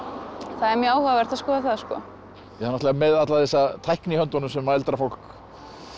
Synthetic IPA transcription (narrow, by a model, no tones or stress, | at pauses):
θaðɛɾmjɛaːwhœɣavɛɾ̥t̪θaskɔːðaθaðskɔ̰ | jɛanast̪lɛɣamɛðat̪laðθɛsːat̪ʰajhknihœnt̪ɔnʏmsɛmːaɛlt̪ɾafowl̥k